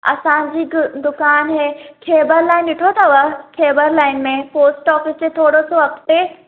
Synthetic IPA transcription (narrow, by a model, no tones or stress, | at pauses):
ɐ̰sãd͡ʑiːd̪ʊkaːnɦẽːkʰeːbəɾlaːɪnɗɪʈʰot̪ɐʋəkʰeːbəɾlaːɪnmẽpoːsʈɔːfɪsd͡ʑet̪ʰoːɽosoɐkt̪e